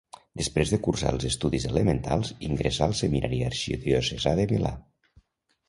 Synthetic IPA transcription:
d̪əspɾezðəkursa̰lˠzəst̪uðizeləment̪alˠziŋɡɾesalˠseminʔaɾiaɾʃiðjosezaðemila̰

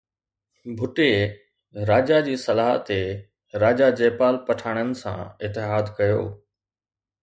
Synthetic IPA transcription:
bʱʊʈe | ɾaːd͡ʑad͡ʑiːsɐlaːɦt̪e | ɾaːd͡ʑad͡ʑeːpaːlpɐʈʰaːɽ̃ənɪ̆sã̰ɪt̪ːɪɦaːd̪kɐjo̰ː

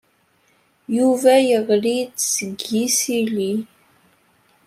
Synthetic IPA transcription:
juvæjəʁlid̪səɡisili

